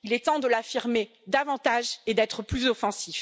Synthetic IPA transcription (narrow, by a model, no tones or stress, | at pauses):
ilɛt̪ɑ̃d̪əlafiʁme | d̪avɑ̃t̪aʒed̪ɛt̪χəplyzɔfɑ̃sif